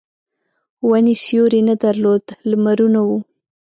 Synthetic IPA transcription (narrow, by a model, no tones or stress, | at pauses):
wanisjoɾenad̪aɾlod̪lmaɾunawu